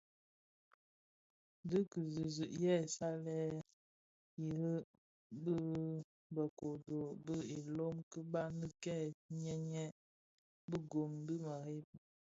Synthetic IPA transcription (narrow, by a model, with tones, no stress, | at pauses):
də˦kə˨zə˨zə˨ʔjɛ˦˨sa˦lɛ˦ | ji˨ɾə˦ | bə˦ | bə˨ko˨do˨bə˦e˨lo˦mkə˦ba˦nə˦kɛ˦˨ɲɛ˦ɲɛ˦ | bə˦ɡo˨mbə˦ma˨ɾe˦p̚